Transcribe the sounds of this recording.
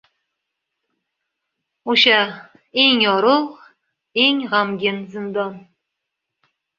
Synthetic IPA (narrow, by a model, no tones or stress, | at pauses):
oʃa | eŋjɒɾʊ | eŋʁamɡʲɪnzɪnd̪ɒn